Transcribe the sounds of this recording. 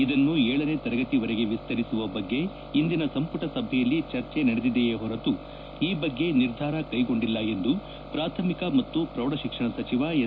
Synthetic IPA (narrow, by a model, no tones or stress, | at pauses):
id̪ɐnːuɛːɭɐne̞t̪ɐɾɐɡɐt̪iʋɐɾeɡe̞ʋist̪ɐɾisuʋɐbɐɡːe̞ | ind̪inɐsɐmpuʈɐsɐbʱɛjɐlːit͡ʃɐɾt͡ʃe̞nɐɽed̪id̪ejeːɦɔɾɐt̪u | iːbɐɡːe̞niɾd̪ʱaːɾɐkɐjɡo̞ɳɖilːɐe̞nd̪u | pɾaːt̪ʰɐmikɐmɐt̪ːupɾɐʋwɽɐʃikʂɐɳɐsɐt͡ʃiʋa